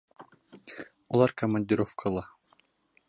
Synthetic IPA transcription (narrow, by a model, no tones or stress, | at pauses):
ulˠɑɾkɐmənʲdʲɪɾofkʰəlˠɑ